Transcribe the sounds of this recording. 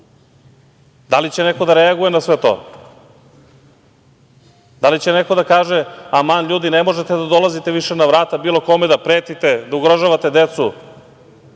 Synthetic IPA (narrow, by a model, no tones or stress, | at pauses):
d̪alit͡ɕeneko̞d̪aɾeaɡuje̞nasʋet̪o̰ː | d̪alit͡ɕeneko̞d̪akaːʒeamanʎuːd̪inemo̞ʒet̪ed̪ad̪olˠazit̪eʋiʃenaʋɾaːt̪abiːlo̞ko̞med̪apɾeːt̪it̪ed̪auɡɾaʒaːʋat̪e̞d̪et̪su